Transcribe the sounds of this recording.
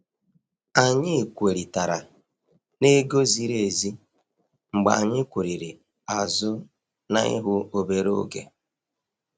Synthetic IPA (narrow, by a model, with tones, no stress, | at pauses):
a˨ɲɪ˦˨kʷe˨ɾi˨ta˨ɾa˨ | ne˦ɡo˦zi˦ɾe˨zi˦ | ŋ͡m̩˨ɡ͡ba̰˨a˨ɲɪ˦kʷu˨ɾi˨ɾi˨ | a˨zʊ˦ | na˦ɪ̰˦ɦʊ˦o˨be˨ɾo̰˦ɡḛ˨